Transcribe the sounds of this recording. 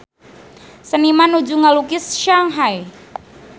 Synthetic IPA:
sənimanud͡ʒuŋalukɪsʃaŋɦaj

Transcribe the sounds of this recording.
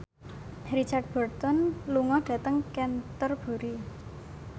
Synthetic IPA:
ɾit͡ʃard̚b̥ɔrt̪ɔnluŋɔɖ̥ä̤t̪əŋkɛnt̪ərb̥o̤ɾi

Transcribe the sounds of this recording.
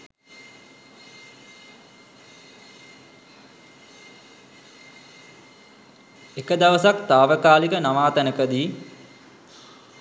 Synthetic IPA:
ekəd̪aʋəsakt̪aːʋəkaːlikənaʋaːt̪ænəkəd̪iː

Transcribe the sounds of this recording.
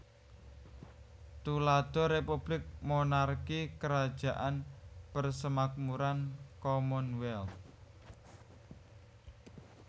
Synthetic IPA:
t̪ulad̪̥ɔ̤ɾepub̥lɪk̚monarkikəɾad̥ʒ̥a̤ʔanpərsəmak̚muɾankɔmɔnwɛl

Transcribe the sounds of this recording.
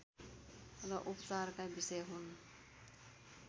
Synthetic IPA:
ɾʌʔupt͡sarkajbisʌjʌɦun

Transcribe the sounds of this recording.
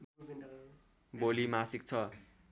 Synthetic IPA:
bolimasik̚t͡sʰʌ

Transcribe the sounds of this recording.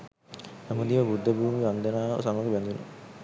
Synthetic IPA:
nɛmud̪iʋəbud̪ʱːəbuːmiʋand̪ənaːə̰saməɡebɛnd̪una̰

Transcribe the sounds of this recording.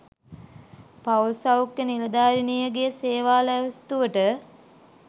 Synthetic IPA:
paulsawkjənilɐd̪aːɾinijəɡejəseːʋaːlɛʋɐst̪uʋəʈə

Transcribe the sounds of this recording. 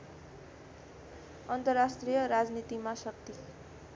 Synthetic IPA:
ʌnt̪ʌrasʈrijʌɾad͡znit̪imasʌk̚t̪i

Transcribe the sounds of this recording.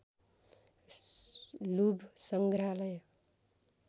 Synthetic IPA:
lubʱsʌŋɡɾalʌj

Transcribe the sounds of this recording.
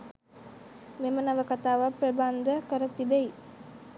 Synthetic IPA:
memənaʋəkat̪aːʋapɾɐband̪ʱəkəɾət̪ibej

